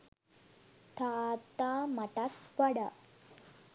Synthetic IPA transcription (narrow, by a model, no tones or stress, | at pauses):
t̪ʰat̪amaʈat̪pəɽa